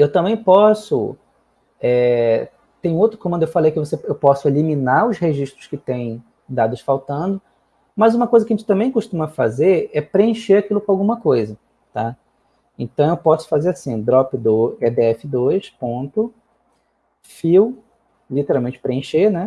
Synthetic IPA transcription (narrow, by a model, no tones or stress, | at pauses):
ewt̪ɐ̃mbẽj̃pɔsʊ̰ | ɛ | t̪ẽj̃ʊ̃ũowt̪ɾʊkomɐ̃nd̪ʊewfalejkɪvoseewpɔsʊeliminaʊsheʒiʃt̪ɾʊskɪt̪ẽj̃ | d̪ad̪ʊsfawt̪ɐ̃nd̪ʊ | mɐzũmɐkojzɐkɐʒẽnt͡ʃɪ̥t̪ɐ̃mbẽj̃koʃt̪ũmɐfazeɾɛpɾeẽʃeɾakilʊkõawɡũmɐkojzɐ | t̪a | ẽnt̪ɐ̃w̃ewpɔsʊ̥fazeɾasĩd̪ɾɔpɪd̪ʊɛd̪eɛfɪd̪ojʃpõnt̪ʊ | fiw | lit̪eɾawmẽnt͡ʃɪ̥pɾeẽʃenɛ